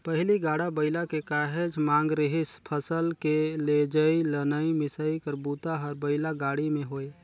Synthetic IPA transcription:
pəɦɪliɡaːɽabəɪlakekaːɦed͡ʒmãːŋɡɾɪɦɪspʰəsəlkeled͡ʒəilənəimɪsəikəɾbuːt̪aɦəɾbəɪlaɡaːɽimẽɦoːe

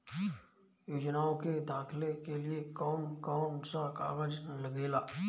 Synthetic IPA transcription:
joːd͡ʒnaːõked̪aːkʰlekeliekɔːmkɔːmsaka̰ːɡəd͡ʒnləɡeːlaː

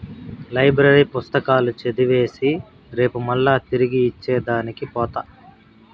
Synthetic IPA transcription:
lɐjbɾɐɾipust̪ɐkaːlut͡ʃed̪iʋe̞ːsi | ɾe̞ːpumɐlːaːt̪iɾiɡiːt͡ʃːɛːd̪aːnikipɔːt̪a

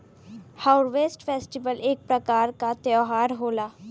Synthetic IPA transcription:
haʊɾʋeːsʈfʰeːsʈɪbəleːk̚pɾəkaːɾkat̪joːɦaːɾɦoːlaː

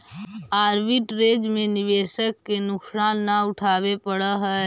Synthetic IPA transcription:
aːɾbiʈɾeːd͡ʒmẽnɪʋeːʃəkːenʊksaːnːaʊʈʰaːʋepəɽəɦɛ

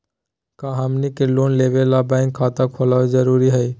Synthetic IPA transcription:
kaɦamnikelonlebelabaɪŋkʰːat̪akʰɔlaed͡ʒəɾuɾiɦəj

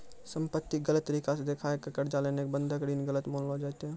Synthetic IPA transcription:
səmpət̪ːiɡələt̪ːəɾikased̪ekʰaekəkəɾd͡ʒalenekbənd̪ʱəkɖiːnɡələt̪monlɦod͡ʒaɛt̪ɦɛ

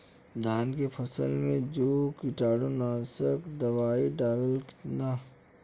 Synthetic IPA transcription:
d̪ʱaːnkepʰəsə̰lmẽd͡ʒoːkɪʈaːɽonaːsəkd̪ɐʋaːiɖaːləlkɪ̥naː

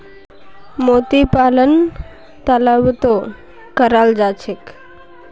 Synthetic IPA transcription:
mot̪ipalən | t̪aləʋt̪o | kəɾald͡zat͡ɕʰek

